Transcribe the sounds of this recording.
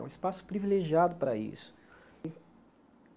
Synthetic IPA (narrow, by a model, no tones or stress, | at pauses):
ṵ̃ispasʊ̥pɾivileʒiad̪ʊpɾɐḭsʊ̥ | ɪ